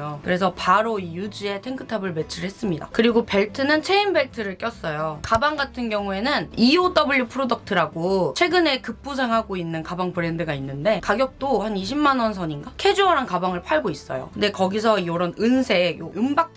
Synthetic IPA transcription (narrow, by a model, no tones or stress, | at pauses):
jokɯɾe̞sʰʌpaɾoijud͡ʑie̞tʰeŋkʰɯtʰabɯɭme̞t͡ɕʰɯɾɯɭhe̞s͈ɯmɲida̰kɯɾiɡope̞ɭtʰɯnɯnt͡ɕʰeimbe̞ɭtʰɯɾɯɭk͈jʌs͈ʌjokabaŋɡatʰɯnɡjʌŋue̞nɯniod͈ʌbɯɭːupʰɯɾodʌk̚tʰɯɾaɡot͡ɕʰwe̞ɡɯne̞kɯp͈us̬ʰeŋɦaɡoinːɯnkabaŋbɯɾe̞ndɯɡainːɯnde̞kaɡjʌk̚t͈ohaniɕʰimːanʌnsʰʌɲinɡakʰe̞d͡ʑuʌɾankabaŋɯɭpʰaɭɡois͈ʌ̰jo̰kɯnde̞kʌɡis̬ʰʌioɾʌnɯnsʰe̞joɯmbak̚